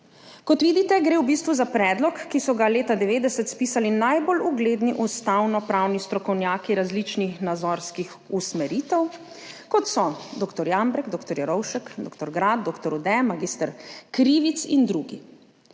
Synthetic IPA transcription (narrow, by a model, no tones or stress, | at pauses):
kɔt̪ʋiːd̪it̪ɛɡɾewbiːst̪ʋuzapɾɛd̪lɔkːisɔɡaleːt̪ad̪ɛʋeːd̪ɛsɛt̪spiːsalinajboluɡleːd̪niʔust̪awnɔpɾawnist̪ɾɔkɔwnjaːkiɾazlit͡ʃnixnad̪zɔɾskix | usmɛɾit̪ɛw | kɔt̪sɔd̪oːkt̪ɔɾjambɾɛɡd̪okt̪ɔɾjɛɾɔwʃəkd̪okt̪ɔɾɡɾad̪̚d̪okt̪ɔɾud̪ɛmaɡiːst̪əɾkɾiːʋit̪sind̪ɾuːɡḭ